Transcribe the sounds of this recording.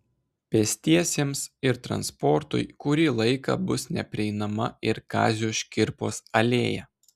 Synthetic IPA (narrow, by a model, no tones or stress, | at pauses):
pʲɛsʲt̪ʲiɛsʲeːmsɪɾt̪ɾɐ̰nspɔɾt̪ʊ̰jkʊɾʲiːlˠɐɪkɑ̰ːbʊsnʲɛpʲɾʲɪɛɪnɐmɐɪɾkɑ̰ːzʲuːʃʲkʲɪɾpo̰ːsɐlʲeːjɛ̰